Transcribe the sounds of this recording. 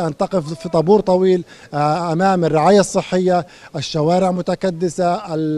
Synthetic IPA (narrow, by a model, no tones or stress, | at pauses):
ʔant̪aqɪfit̪ˤɑbuːɾt̪ˤɑwiːl | ʔamaːmarːɪʕaːjasˤːɨħːɪjːa | ʔɪʃːawaːɾɪʕmʊt̪akad̪ːɪsa